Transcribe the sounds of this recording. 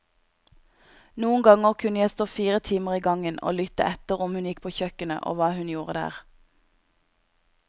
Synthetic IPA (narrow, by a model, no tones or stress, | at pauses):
nuːənɡɑŋəʁkʰʉnəjæɪst̪oːfiːʁət̪ʰiːməʁiːɡɑŋənʔo̰ːlʏt̪ə̰ʔɛt̪əʁʊmhʉnjɪk̚pʰoːçœkənə̰ʔo̰ːʋɑːhʉnjuːʁəd̪æ̰ːʁ